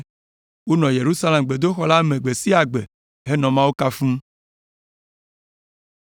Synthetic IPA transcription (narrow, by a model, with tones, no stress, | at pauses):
wo˦nɔ̃˨je˨ɾu˦sa˦le˨mɡ͡be˨d̪o˦xɔ˦la˦mẽ˨ɡ͡be˨si˦a˨ɡ͡be˨ | ɦe˦nɔ̃˨mã˦wo˦ka˦fũ˦